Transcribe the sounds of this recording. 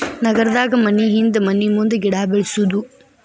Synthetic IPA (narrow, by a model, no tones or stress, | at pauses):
nɐɡɐɾɐd̪aːɡɐmɐnːiɦind̪ɐmɐnːimund̪ɐɡiɽaːbeɭsud̪u